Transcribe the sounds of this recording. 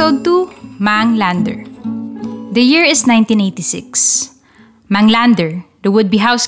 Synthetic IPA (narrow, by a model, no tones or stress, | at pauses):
od̪̚t̪umaŋlãnd̪ɛ̰ɹ | d̪ɐjɪɹɪsnãjnt̪ĩnejt̪isɪ̰ks | mãŋlãnd̪ɛɹd̪ɐwʊd̪̚biɦaws